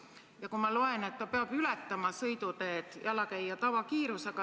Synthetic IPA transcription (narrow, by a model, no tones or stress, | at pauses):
jɑkumɑlo̞e̞ne̞t̪ːɑpeɑb̥ylɛt̪ːɑmɑsɤjd̪̥ut̪e̞ːd̪̥jʔɑlɑkæjːɑt̪ɑvɑkiːɾuseɡ̥ɑ